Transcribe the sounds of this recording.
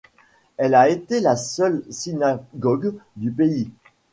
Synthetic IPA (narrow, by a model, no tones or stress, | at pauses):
ɛlaet̪elasœlsinaɡɔɡd̪ypei